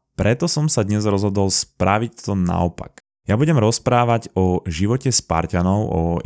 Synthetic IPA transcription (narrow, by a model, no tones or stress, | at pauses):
pɾɛt̪ɔsɔmsad̪ɲɛzɾɔzɦɔd̪ɔlspɾaʋict̪ɔna̰ɔpa̰k | jabuɟɛmɾɔspɾaːʋaɟɔʒiʋɔcɛspa̰ɾcanɔʊʔɔ